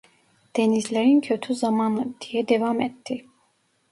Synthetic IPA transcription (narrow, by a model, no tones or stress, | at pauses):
d̪̥ɛnizlɛɾincʰøt̪ʰyzɑmɑːnɯd̪̥ijɛd̪ɛvɑːmɛt̪ːi